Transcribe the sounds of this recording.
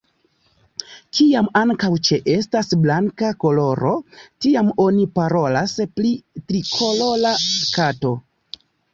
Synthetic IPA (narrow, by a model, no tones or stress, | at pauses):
kʰiamaŋkawt͡ʃe̞ʔe̞s̬tasblaŋkako̞lo̞ɾo̞tiamo̞nipaɾo̞lasplitɾikʰololaskato̞